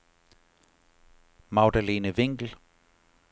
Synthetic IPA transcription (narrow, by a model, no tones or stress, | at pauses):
maʊdəliːnəʋɪŋɡ̥l̩